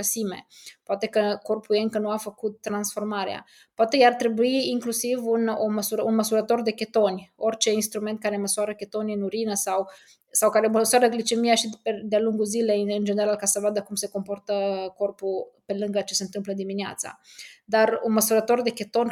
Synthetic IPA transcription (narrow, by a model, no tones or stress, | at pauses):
əsime̞̰poat̪e̞kəko̞rpujeɨŋkənuafəkut̪̚ːɾansfo̞rmaɾea̰ | poat̪e̞art̪ɾe̞buiːŋklusivuno̰məsuɾəunməsuɾət̪o̞rd̪e̞kʲe̞t̪o̞nʲo̞rʲt͡ʃe̞inst̪ɾument̪̚kaɾe̞məsuaɾəkʲe̞t̪o̞nʲɨnuɾinəsaw | sawkaɾeoməswaɾəɡlit͡ʃe̞mijaʃiped̪ealuŋɡuzile̞ɨnd͡ʒe̞neɾalkasəvoad̪əkumse̞ko̞mpo̞rt̪əko̞rpupe̞lɨŋɡət͡ʃesent̪ɨmpləd̪iminea̰t̪sa̰d̪arunməsuɾət̪o̞rd̪e̞kʲe̞t̪o̞nʲ